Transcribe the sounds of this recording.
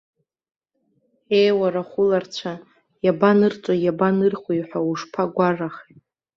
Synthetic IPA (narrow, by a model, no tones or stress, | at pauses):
ejwaɾaχʷʊlart͡ɕʷʰa | jabanɨrt͡sʷʼojabanɨrχʷjħʷᶣauʂpʰaɡʷaraχitʼ